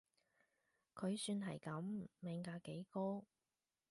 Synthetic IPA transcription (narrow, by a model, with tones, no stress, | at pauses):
kʰɵ˨˧ɥsyː˧nɦɐ̰˨˩jkɐ˨˥mmɛː˨˧ŋkaː˧ke˨˥jkoː˥